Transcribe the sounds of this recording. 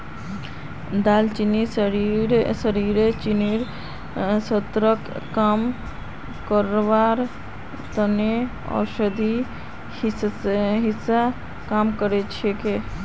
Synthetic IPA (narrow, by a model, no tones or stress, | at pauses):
d̪alt͡ʃinisɾiɾsəɾiɾet͡ʃiniɾ | sət̪ɾəkːam | kəɾʋaɾ | t̪əne | ɔ̰ɾsəd̪i | ɦisa | kamkəɾet͡ʃʰeke